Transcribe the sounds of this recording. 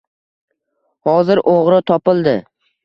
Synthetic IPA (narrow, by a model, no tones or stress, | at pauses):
hɒzɪɾʔoʁɾɪt̪ʰɒpɪlˠd̪ɪ